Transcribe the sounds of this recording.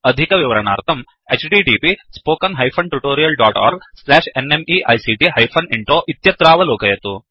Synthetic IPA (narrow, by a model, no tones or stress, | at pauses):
ɐd̪ʱikɐʋiʋɐɾɐɳa̰ːɾt̪ʰɐm | et͡ʃɖiːɖiːpispoːkɐnɦɐjpʰɐɳʈuʈoːɾijɐlɖaːʈa̰ːɾɡslɛːʂenemiʔɐjsiːʈiɦɐjpʰɐniɳʈoːʔit̪jɐt̪ɾaːʋɐloːkɐjɐt̪u